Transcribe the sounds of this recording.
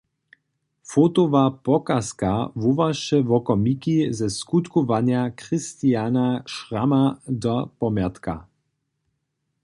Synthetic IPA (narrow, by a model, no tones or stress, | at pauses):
fot̪ovapɔkaskavuvaʃɛvɔkɔmikizɛskut̪kovanjakɾist̪ianaʃramad̪ɔpɔmjat̪ka̰